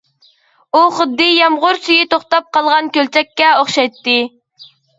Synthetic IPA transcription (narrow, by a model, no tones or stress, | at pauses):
uχəd̪ːɨjɑmʁʊɾsyjit̪oχt̪ɑp̚qɑlˠʁɑnkʲølt͡ʃʰɛkʲːɛoχʃɑjt̪ːɨ